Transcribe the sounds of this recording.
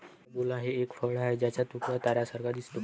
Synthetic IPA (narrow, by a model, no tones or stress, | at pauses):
bolaɦeekfəɭaed͡ʑjat͡ɕjat̪ukɾat̪aɾasəɾɡad̪isʈu